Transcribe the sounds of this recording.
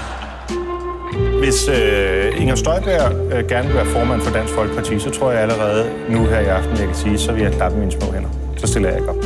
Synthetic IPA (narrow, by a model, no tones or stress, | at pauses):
ʋe̝søeŋɐsd̥ɒ̽ɪb̥æɐɐɡ̥æɐnəʋelʋæːɐfɒːmæn̰fɒ̽d̥æn̰sɡ̥fɒ̽lɡ̥̚pʰɑ̈t͡sʰḭːsɒ̽t͡sʰʁo̝ɐ̰jɑ̈æləʁɛːð̞̩ˠ | nuɦæɐ̰iɑ̈fd̥n̩jɑɪkʰæsiːsɒ̽ʋe̝jɑ̈ɪlɑ̈b̥əmiːnəsmɔ̰̽ːen̰ɐ | sɒ̽sd̥e̝lɐjɑ̈ɪɡ̥ɒ̽b̥